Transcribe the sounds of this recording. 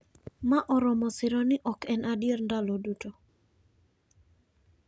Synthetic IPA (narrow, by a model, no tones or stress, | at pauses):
maʔɔɾɔmɔsɪɾɔnɪʔɔkɛnʔadɪerndalɔduto